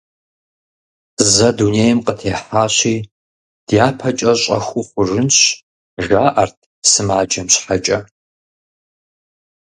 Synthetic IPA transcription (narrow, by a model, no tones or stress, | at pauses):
zɐduneːjmqʼətʰeːħaːɕiː | d̥jaːpʰɐt͡ʃʼɐɕʼɐ̰xʷʊχʷʊʐɨnɕ | ʒaːʔɐrtʰ | sɨmaːd͡ʒɐmɕħat͡ʃʼɐ